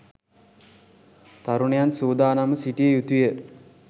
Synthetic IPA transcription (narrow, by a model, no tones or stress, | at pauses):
t̪aɾuɳejansuːd̪aːnaməsiʈijəjut̪ujə